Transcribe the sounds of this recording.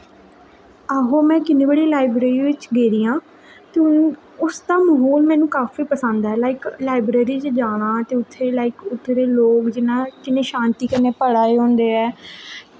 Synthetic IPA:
aːɦoːmɛ̃ːkɪneːbəɽiːlaːɪbɾeːɾiːʋɪt͡ʃɡeːɾiːãː | t̪eʊn | ʊsd̪aːməɦoːlmɛ̃ːnũːkaːfiːpəsə̃nd̪aːɛːlaːɪklaːɪbɾeːɾiːt͡ʃd͡ʒaːɽ̃ãːt̪eːʊt̪ʰːeːlaːɪkʊt̪ʰːɾeːloːkd͡ʒɪnãːkɪnẽːʃãːnt̪iːkənẽːpəɽaːeːõːnd̪eːɛː

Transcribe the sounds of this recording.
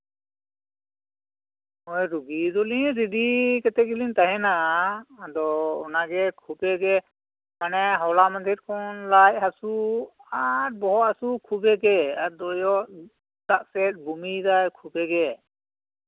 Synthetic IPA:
ɔjɾuɡid̪ɔliɲɾiɖikɛt̪ɛɡiliɲt̪aɦɛna | d̪ɔɔnaɡɛkʰubɛɡɛ | manɛɦɔwlamand̪ʱiɾ̚kɔnlajɦasuaɾ̚bɔɦɔt̪hasukʰubɛɡɛad̪ɔjɔʔ | d̪aʔsɛt̪̚ˀbumidajkʰubɛɡɛ

